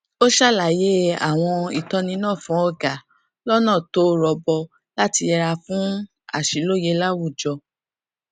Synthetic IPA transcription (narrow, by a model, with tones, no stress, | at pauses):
o˦ʃa˦˨la˨je˦a̰˦˨w̃ɔ̃˧i˨tɔ˧˦nĩ˧˦nãː˦˨fũ˨˦ɔ˧ɡa˨ | lɔ˦nã˦˨to˨˦ɾɔ˧bɔ˧ | la˦ti˧ɛ˧ɾa˧fũ˦ | a̰˦˨ʃi˨˦lo˦je˧˦la˦wu˦˨d͡ʒɔ˧